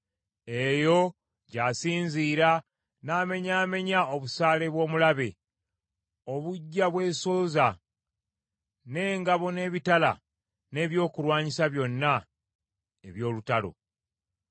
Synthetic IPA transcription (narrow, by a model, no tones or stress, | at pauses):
e̞jo̞ | ɟaːsiːɲziːɾa | naːme̞ɲaːme̞ɲao̞βusaːle̞βwo̞ːmulaβe̞ | o̞βuɟːaβwe̞ːsoːza | ne̞ːŋɡaβo̞ne̞ːβitala̰ | ne̞ːβjo̞ːkulwaːɲisaβjo̞nːa | eβjo̞ːlutalo̞̰